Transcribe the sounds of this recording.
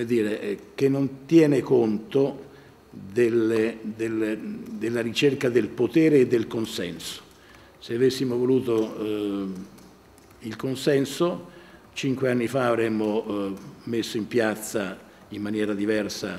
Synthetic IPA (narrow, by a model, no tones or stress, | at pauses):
omed̪iːɾek̟enːont̪jɛːnekont̪o | d̪elːed̪eld̪elːaɾit͡ʃerkad̪elpot̪ɛːɾeːd̪ːelkonsɛnso̥ | seavesːimovoluːt̪o | ilkonsɛnso | t͡ʃiŋkweanːifaːvɾɛmːo | mesːoimpjat̪sːa | imːanjɛːɾad̪ivɛrsa̰